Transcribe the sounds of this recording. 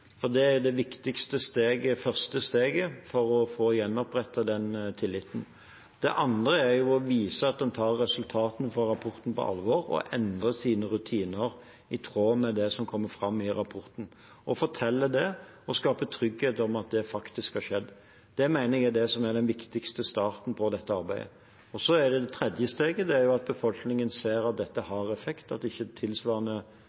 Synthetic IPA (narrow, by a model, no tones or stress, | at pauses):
fɔd̪ɛæjʊd̪ɛʋɪkt̪ɪkst̪əst̪eːɡəfœɾst̪əst̪eːɡəfɔɾɔfoːjɛnːɔpɾɛt̪ːəd̪ɛnt̪ʰɪlːɪt̪ːn̩ | d̪̥ɛ̰ʔɑnd̪ɾəæɾjʊɔʋiːsəɑt̪̚d̪ɛnt̪ʰɑːɾːɛsʉlt̪ʰɑːt̪n̩fɔɾːɑpʰɔɾt̪n̩pɔ̰ʔɑ̰lʋɔɾɔ̰ʔɛnd̪ʁəsiːnəɾʉt̪ʰiːnəɾ | ɪt̪ʰɾoːmɛd̪ɛsɔmkʰɔmːəfɾɑmːɪɾɑpʰɔɾt̪n̩ | ʔɔfɔt̪ʰɛlːəd̪ɛ | ɔskɑːpət̪ʰɾʏɡheːt̪ɔmɑt̪̚d̪ɛfɑkt̪ɪskhɑʂɛd̪ː | d̪̥ɛæmæɪnəɛɡæd̪ɛsɔmæɾɖ̪ɛnʋɪkt̪ɪkst̪əst̪ɑːɾt̪n̩pʰɔd̪ɛt̪ːəɑɾbæɪə̰ | ɔsɔæd̪ɛd̪ɛt̪ʰɾɛd̪jəst̪eːɡəd̪ɛæɾjʊɑt̪̚bəfɔlknɪŋənseːɾɑt̪̚d̪ɛt̪ːəhɑɾɛfɛkt̪ɑt̪ɪçːət̪ʰɪlsʋɑːʁnə